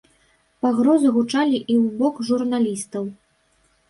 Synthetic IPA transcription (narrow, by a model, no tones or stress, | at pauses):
paɣɾɔzɨɣut͡ʂalʲiʔiwbɔkʐurnalʲist̪ɐw